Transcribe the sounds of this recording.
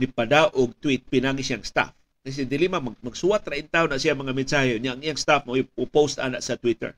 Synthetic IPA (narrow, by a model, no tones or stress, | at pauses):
nipadaʔʊɡ̚t̪wit̪̚pɪnaːɡisiaŋst̪a̰f | kajs̬ed̪ɪlimamaɡmaɡsuat̪ɾaʔint̪aʊnaʔsijamɐŋamɪnsahɪʊnɲjaʔaŋijaŋst̪afmaʔojupost̪a̰naʔsat̪wit̪ɛ̰ɾ